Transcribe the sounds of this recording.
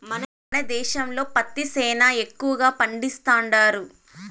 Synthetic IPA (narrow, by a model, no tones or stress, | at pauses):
mɐn | nɐd̪ɛːʃɐmlo̞ːpɐt̪ːisɛːnaːe̞kːuʋɐɡaːpɐɳɖist̪aːɳɖaːɾu